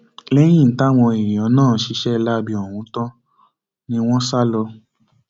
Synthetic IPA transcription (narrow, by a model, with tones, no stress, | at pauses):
lɛ˦j̃ĩ˦˨ta˦w̃ɔ̃˧i˨ɾĩ˨ɔ̃˨˦nãː˦˨˦ʃi˧˦ʃɛ˦˧la˦bi˧ɔ˨wũ˨˦tɔ̃˦ | nĩ˦w̃ɔ̃˦sa˦lɔ˧